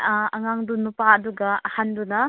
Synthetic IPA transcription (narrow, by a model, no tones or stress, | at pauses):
aŋaŋdunupaɐd̪uɡaːhanduna